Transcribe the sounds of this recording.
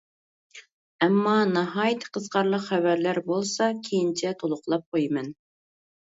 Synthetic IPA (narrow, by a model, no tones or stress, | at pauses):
ɛmːɑnɑɦɑːjt̪ʰə̥qʰəzqɑɾlˠəqχævæɾlæɾbolˠsɑkʲʰejint͡ʃʰɛt̪ʰolˠʊqlˠɑp̚qʰojmɛn